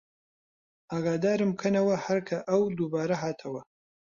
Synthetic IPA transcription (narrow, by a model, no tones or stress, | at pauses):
aːɡaːd̪aːɾɨmkʰɐnɐwɐhɐɾkʰɐʔɐwd̪ubaːɾɐɦaːt̪ʰɐwɐ